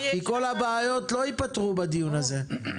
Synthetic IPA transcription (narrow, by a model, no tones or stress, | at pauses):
miko̞labaːjo̞tlo̞ipat̪ʁubad̪ijunaze̞